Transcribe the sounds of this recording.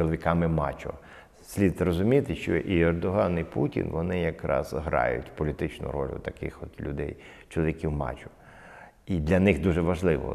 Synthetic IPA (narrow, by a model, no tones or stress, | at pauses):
t͡ʃɔlˠɔʋʲikɑmɪmɑt͡ʃʲʊ̰ | sʲlʲid̪rɔzʊmʲit̪ɪʃt͡ʃɔʔiɛrd̪ɔɦɑniputʲḭnʋɔnɪjɐkɾɑ̰z̥ɦɾɑ̰jʊ̰tʲpɔlʲit̪ɪt͡ʃnʊ̰ɾɔlʲʊ̰t̪ɐkɪ̰xɔt̪lʲʊd̪ɛj | t͡ʃɔlˠɔʋʲikʲiwmɑ̰t͡ʃʊ̥ | id̪lʲɐnɪxd̪uʒɛʋɐʒlˠɪʋɔ̰